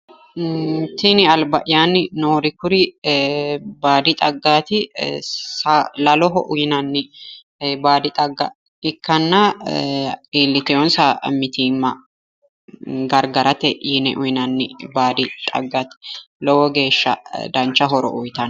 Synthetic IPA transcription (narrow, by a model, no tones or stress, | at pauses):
t̪ɪnɪɐlbɐʔɪjanɪnoːɾɪkʊɾɪ | baːd̪ɪt̪ʼɐɡːaːt̪ɪ | salɐlɔɦɔʔʊjɪnɐnːɪ | baːd̪ɪt̪ʼɐɡːɐ̰ | ɪkːɐnːɐ | eːlːɪt̪ɛjɔnsamɪt̪iːmːɐ | ɡɐɾɡɐɾɐt̪ɛinɛ̰ʔʊjɪnɐnːɪbaːd̪ɪt̪ʼɐ̰ɡːaːt̪ɪ̥lɔwɔɡe̞ːʃːɐ̰d̪ɐnt͡ʃːɐɦɔɾɔ̰ʔʊjt̪ɐn